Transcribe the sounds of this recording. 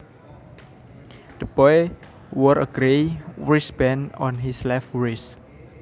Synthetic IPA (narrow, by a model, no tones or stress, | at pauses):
d̪̥əb̥ɔj | wəɾəɡ̥ɾewɹisbɛ̃nɔnɦislɛfɹis